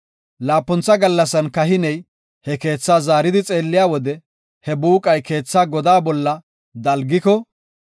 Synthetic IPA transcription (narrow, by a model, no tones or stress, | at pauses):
laːpːʊnt͡sːɐɡɐlːɐsɐnkɐɦɪnɛj | hɛke̞ːt͡sːaːzaːɾɪd̪ɪt͡sʼe̞ːlːɪjaːwɔd̪ɛ | hɛbuːkʼɐjke̞ːt͡sːaːɡɔd̪aːbɔlːɐ | d̪ɐlɡɪkɔ